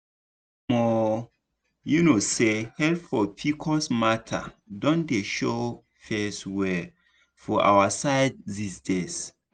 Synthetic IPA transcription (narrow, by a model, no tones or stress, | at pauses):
mɔ | junosehɛlfɔpʰikʰɔsmatʰa̰dɔ̃ndeʃo | fɛswɛ | fɔʔa̰wasaɪd̚zisdes